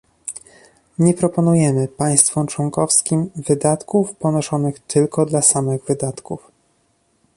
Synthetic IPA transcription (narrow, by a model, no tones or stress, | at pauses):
ɲɛpɾɔpɔnujɛmɘpaj̃st̪fɔmt͡ʂwɔŋkɔfskʲimvɘd̪at̪kufpɔnɔʂɔnɘxt̪ʰɘlkɔd̪lasamɘɣvɘd̪at̪kuf